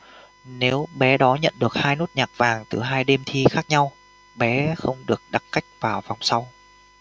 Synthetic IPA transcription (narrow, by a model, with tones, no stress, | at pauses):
ne˨˦wɓɛ˨˦ɗɔ˨˦ɲə̰˧˨nɗɨ˨˩ək̚haː˧jno˦˥t̚ɲaː˨˩k̚vaː˨˩ŋt̪ɨ˨˩ɦaː˧jɗe˧mt̪ʰi˧xaː˦˥k̚ɲa˧w | ɓɛ˨˦xə˧wŋ͡mɗɨ˨˩ək̚ɗa˨˩kka˦˥jk̟̚vaː˨˩wva˨˩wŋ͡msa˧w